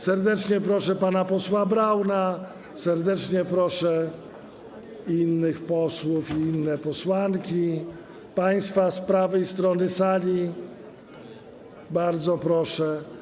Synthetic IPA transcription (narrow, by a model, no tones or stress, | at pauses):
sɛɾd̪ɛt͡ʂɲɛpɾɔʂɛpanapɔswabɾawna | sɛɾd̪ɛt͡ʂɲɛpɾɔʂɛ | inːɘxpɔswufiinːɛpɔswaŋkʲi | paj̃st̪faspɾavɛist̪ɾɔnɘsalʲi | baɾd̪zɔpɾɔʂɛ